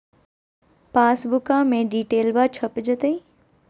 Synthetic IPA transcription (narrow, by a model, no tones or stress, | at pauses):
paːsbʊkãmẽɖiːʈeːlbaːt͡ʃʰəpd͡ʒət̪əi